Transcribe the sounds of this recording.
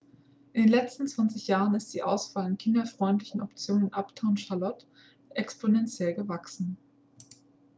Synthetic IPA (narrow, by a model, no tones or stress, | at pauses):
ʔɪndeːnlɛt͡stn̩t͡sv̥ant͡sɪçjaːʁ̞ənɪst̚d̥iːʔaʊsv̥aːlɪnkʰɪndɐfʁ̥ɔʏntlɪçn̩ɔpt͡sjoːnənʔaptʰaʊnʃalɔt | ʔɛkspʰonɛnt͡sjɛlɡəvaksn̩